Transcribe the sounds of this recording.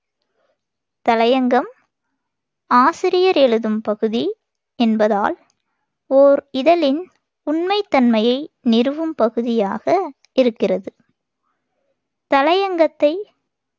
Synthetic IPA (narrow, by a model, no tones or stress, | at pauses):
t̪ɐlɐjɐŋɡɐm | aːsɪɾɪjɐɾɛɻɯðɯmpɐɣɯði | ɛnbɐðaːl | oːɾɪðɐlɪn | ʊɳmɐɪt̪ːɐnmɐjɐɪnɪɾɯʋɯmpɐɣɯðɪjaːɣɐ | ɪɾɯkːɪrɐðɯ | t̪ɐlɐjɐŋɡɐt̪ːɐɪ